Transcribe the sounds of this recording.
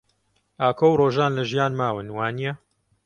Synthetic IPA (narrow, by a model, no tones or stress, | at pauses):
aːkʰowroːʒaːnlɐʒijaːnmaːwɨnwaːnijɐ